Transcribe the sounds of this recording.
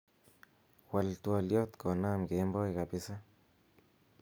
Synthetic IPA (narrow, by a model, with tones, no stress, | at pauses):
wa˨lt̪wa˧ljo˦t̪ko˨na˦mke˨˦mbo˦ika˨pi˦sa˦